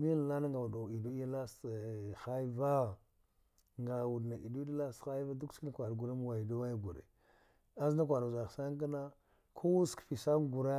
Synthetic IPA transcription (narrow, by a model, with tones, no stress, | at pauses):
mi˦n˨la˦na˦ŋɡa˨wu˨do˨i˨du˦i˦la˦sxa˦jva˦ | ŋɡa˨wu˨dna˨ʔi˨du˦i˦da˦la˦sxa˦jva˦du˦kski˦na˨kʷa˨dɡu˨ɾa˦m˦wa˨i˨do˦wa˦ja˦ɡṵ˨ɾḛ˨ | a˦za˦k̬ʷa˨ɾza˨ɣsa˦ŋ˦k̬a˦na˦ | kʰo˦wu˦skfi˨sa˦m˦ɡu˨ɾa˦